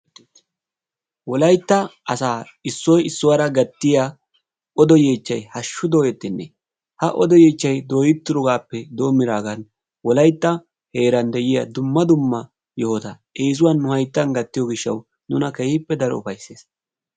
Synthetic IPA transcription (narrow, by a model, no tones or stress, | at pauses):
wɔlɐjt̪ːɐɐsaː | ɪsːɔjɪsːʊwaːɾɐɡɐt̪ːɪja | ɔd̪ɔjeːt͡ʃːɐjhɐʃːʊd̪o̞ːjɛt̪ːɪnːɛ | hɐʔɔd̪ɔjeːt͡ʃːɐjd̪oːjɪt̪ːʊɾʊɡaːpːɛd̪o̞ːmːɪɾaːɡɐn | wɔlɐjt̪ːɐ | he̞ːɾɐnd̪ɛjɪjɐd̪ʊmːɐd̪ʊmːɐ | jɔhɔt̪ɐ | eːs̬ʊwɐnːʊhɐjt̪ːɐnɡɐt̪ːɪjɔɡɪʃːɐ̰w | nʊnɐkɛhɪpːɛd̪ɐɾɔ̰ʊfɐjsːeːs